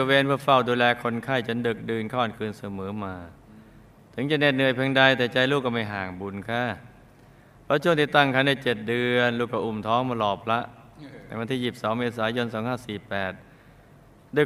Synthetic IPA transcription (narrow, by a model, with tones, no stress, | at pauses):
weː˧npʰɯ˥˩ɐfa˧˥˩wduː˧lɛː˧kʰo˧nkʰa˥˩jt͡ɕa˧˥˦ndɯ˨˩k̚dɯː˧nkʰɔː˧˩nkʰɯː˧nsa˧mɤː˩˦maː˧ | t̪ʰɯ˩˦ŋt͡ɕa˧˩ne˧˩t̪̚nɯ˨˧˩əjpʰɛː˧ŋda˧jt̪ɛː˨˩t͡ɕa˧jluː˥˩kːɔ˥˩ma˥˩jɦaː˨˩ŋbu˧˩nkʰaː˧˥˩ | pʰɾɔ˦˥t͡ɕʰu˥˩˨ŋt̪iː˥˩t̪a˥˩ŋkʰa˧˥˩nda˧˥˩jt͡ɕe˨˩t̪̚dɯ˧ənluː˧˩kʰːaː˧˩ʔu˨˩mt̪ʰɔː˦˥ŋma˧lɔː˨˩p̚la˦˥ʔ | t̪ɛː˨˩ŋwa˧nt̪ʰiː˥˩ji˨˩p̚sɔː˩˦ŋmeː˧s̬aː˩˦jo˧nsɔː˩˦ŋhaː˥˩siː˨˩pɛː˨˩t̪̚ | dɯː˧˩˨